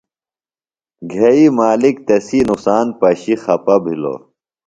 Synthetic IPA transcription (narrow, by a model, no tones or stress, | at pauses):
ɡʱɐimaːlikt̪ɐsinuksaːnpɐɕixɐpɐbʱilo̰